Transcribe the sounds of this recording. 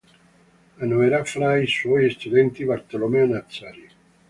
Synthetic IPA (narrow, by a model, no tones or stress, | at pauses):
anoeɾafɾaiswɔjest̪ud̪ɛnt̪ibaɾt̪elomeonat̪saɾi